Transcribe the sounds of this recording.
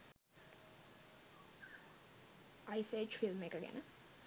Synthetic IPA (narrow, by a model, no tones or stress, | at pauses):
ajset͡ʃfilmekəɡæ̰nə